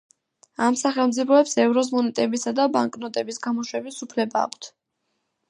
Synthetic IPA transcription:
amsaχɛlˠmt̪zʼipʰɔɛpsɛvɾɔs̬mɔnɛt̪ʼɛbisad̪abaŋkʼnɔt̪ʼɛbisɡamɔʃwɛbisupʰlɛba̰ːkʷʰt̪ʰ

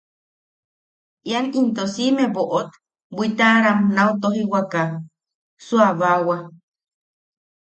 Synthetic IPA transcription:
ʔianint̪osimeβoʔot̪ | bʷit̪aɾamnaut̪oɦiwaka | suaβawa

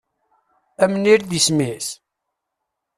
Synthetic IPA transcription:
æmniɾðismis

